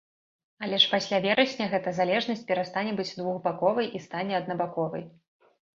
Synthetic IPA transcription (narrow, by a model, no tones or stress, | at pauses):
alʲɛʂpasʲlʲavʲɛɾɐsʲnʲɐɣɛt̪ɐzalʲɛʐnɐsʲt͡sʲpʲɛɾast̪anʲɛbɨd͡zʲd̪vuɣbakɔvɐjʔist̪anʲɛɐd̪̚nɐbakɔvɐ̰j